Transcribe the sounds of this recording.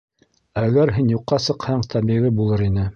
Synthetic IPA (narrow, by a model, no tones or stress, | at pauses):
æɡæɾɦinjuqːɑsɤ̆qhɑɴt̪ʰɑβbiʁɘbulˠɤɾinɘ